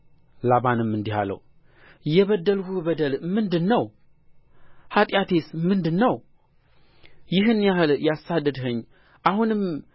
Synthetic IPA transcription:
laβanɨmːɨnd̪iha̰lə̰w | jɛβəd̪ːəlhubəd̪əlmɨnd̪ɨnːəw | hat̪ʼjat̪ʰe̞smɨnd̪ɨnːəw | jɪɦɨnːjahɨljasːad̪ɨd̪ɦɨɲː | ʔahunɨm

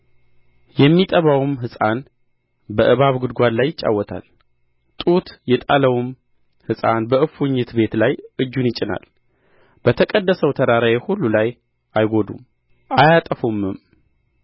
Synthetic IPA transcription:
jɛmːit̪ʼəβawumɦɨsʼan | bəʔɨβaβɡɨd̪ɡʷad̪lajːɪt͡ʃʼːa̰wːɔt̪ʰa̰l | t̪ʼut̪jɛt̪ʼaləwm | hɨsʼanbəʔɨfuɲːɪt̪be̞t̪lajʔɨd͡ʒːunjɪt͡ʃʼɪna̰l | b̥ət̪ʰəkʼəd̪ːəsəwt̪ʰəd̪aɾajehulːulaj | ʔajɡo̞d̪ṵm | ajat̪ʼəfumːɨm

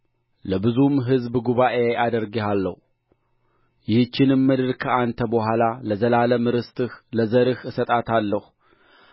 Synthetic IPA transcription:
ləbɨzumɦɨzbɡuβaʔeʔad̪əɾɡehalːə̰hu | jɪhɨt͡ʃːɪnɨmːɨd̪ɨɾkʰəʔant̪ʰəbəhʷalaləzəlaləmɨɾɨst̪ɨhləzəɾɨhɨsət̪ʼat̪ʰalːəhu

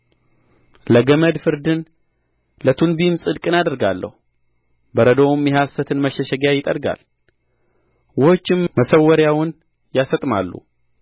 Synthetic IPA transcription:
ləɡəməd̪fɨɾd̪ɨn | lət̪ʰunbimsʼɨd̪kʼɨnad̪əɾɡalːə̰hu | bəɾəd̪o̞wmjɛɦasːət̪ʰɨnməʃɛʃəɡjajɪt̪ʼə̰ɾɡa̰l | wɔhot͡ʃːɪmməsəwːəɾjawʊn | jasət̪ʼma̰lːṵ

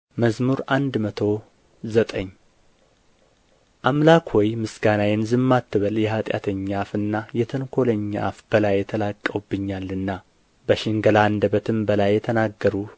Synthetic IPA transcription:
məzmuɾʔand̪mət̪ʰo̞ | zət̪ʼəɲː | ʔamlakwɔjmɨsɡanajɛnzɨmːat̪ʰːɨβəljɛhat̪ʼja̰t̪ʰəɲːafɨnːajɛt̪ʰɨnkʰo̞ləɲːa̰fb̥əlajːɛt̪ʰəlakʼːəwbːɨɲːalːɨnːa | bəʃɪŋɡəland̪əbət̪ʰɨmbəlajːɛt̪ʰənaɡːəɾu

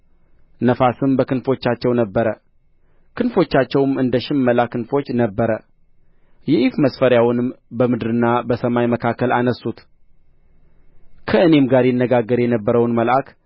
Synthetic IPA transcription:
nəfasɨmbəkɨnfo̞t͡ʃːat͡ʃːɛwnəbːəɾə | kɨnfo̞t͡ʃːat͡ʃːɛwmɨnd̪əʃɪmːəlakɨnfo̞t͡ʃːnəbːəɾə | jɛʔifməsfəɾjawʊnɨmbəmɨd̪ɾɨnːabəsəmajməkʰakːəlanəsːut̪ | kʰəɨne̞mɡaɾjɪnːəɡaɡːəɾjɛnəbːəɾəwnməlʔak

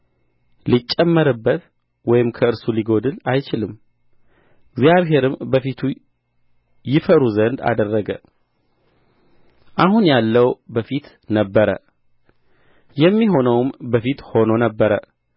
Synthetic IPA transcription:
lit͡ʃʼːɛmːəɾɨbːət̪ | wɔjɪmkʰəɨɾsuliɡo̞d̪ɨlajt͡ʃɪlɨmː | ɪɡzjaβɦe̞ɾɨmbəfit̪ʰu | jɪfəɾuzənd̪a̰d̪ərːəɡə̰ | ʔaɦunjalːəwbəfit̪ | nəbːəɾə̰ | jɛmːiɦo̞nəwmbəfit̪ho̞nonəbːəɾə

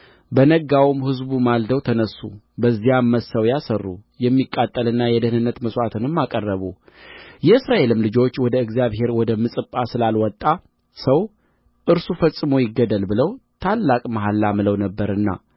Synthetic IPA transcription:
bənəɡawumhɨzbumald̪əwt̪ʰənəsːṵ | bəzːijamːəsəwjasərːṵjɛmːikʼːat̪ʼːəlɨnːajɛd̪əhnɨnːət̪məsʼwat̪ʰɨnɨmːakʼərːəβu | jɛɨsɾaʔe̞lɨmlɨd͡ʒo̞t͡ʃːwɔd̪əɨɡzijaβɦe̞ɾwɔd̪əmɨsʼɨpʼːasɨlalwɔt̪ʼːa | səw | ʔɨɾsufəsʼːɨmo̞jɪɡːəd̪əlbɨləwt̪ʰalːakʼmaɦalːamɨləwnəbːəɾɨnːa̰

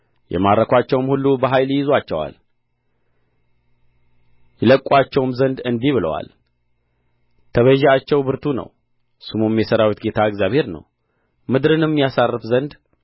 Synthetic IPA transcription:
jʔɛ̰maɾːəkʷat͡ʃːɛwmhulːubəɦajljɪzoat͡ʃːɛwa̰l | jɛləkʼːat͡ʃːɛwmzənd̪ɨnd̪iβɨlə̰wa̰l | t̪ʰəβəʒɛat͡ʃːɛwbɨɾt̪ʰunə̰w | sɨmumjɛsəɾawut̪ɡe̞t̪ʰaɨɡzjaβhe̞ɾnə̰w | mɨd̪ɾɨnmːijasarːɨfzənd̪

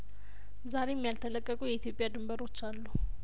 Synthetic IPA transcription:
zaɾeɛmːijalt̪ʰələkʼːəɡʼujɛit̪ijo̞pʼjad̪ɨmbəɾo̞t͡ʃːalːu

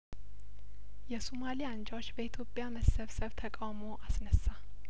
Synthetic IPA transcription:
jɛsumaliand͡ʒawot͡ʃːbəit̪ʰjo̞pʼjaməsəβsəβt̪ʰəkʼawmo̞ʔasnəsːa

